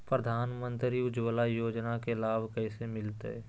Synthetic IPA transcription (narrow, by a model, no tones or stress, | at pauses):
pɾəd̪ʱaːnmə̃nt̪ɾiʊd͡ʒwəlajoːd͡ʒnakelaːbkɛisemɪlt̪ḛɛ